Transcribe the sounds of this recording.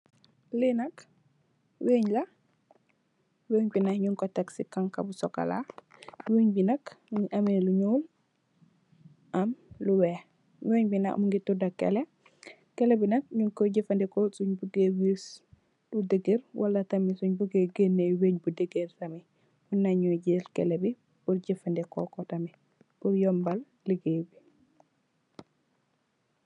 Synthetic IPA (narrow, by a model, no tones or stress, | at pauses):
linɐk | weːɲla | weːɲbinahɲuŋkoteksikaŋka̰busoka̰la̰weɲbinakmuɲʔameluɲowl | ʔamluwe | weːɲbina̰kmuŋɡitudakḛle | kelebinɐk̚ɲuŋkoɟifandɛkosuɲbuɡewis | ludeɡeɾwʔa̰lːatamisuɲbuɡeɡenːeweɲbudeɡeɾtami | hunːaɲuɟilkḛlebi | buɾɟifandɛkɔ̰kɔtami | bujɔmbal | liɡewi